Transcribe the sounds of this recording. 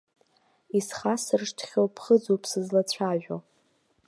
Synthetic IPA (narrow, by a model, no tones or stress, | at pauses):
isχasɨrʂtʰχʲowpʰχəd͡zowpʰsɨzlat͡ɕʷʰaʒᶣʷo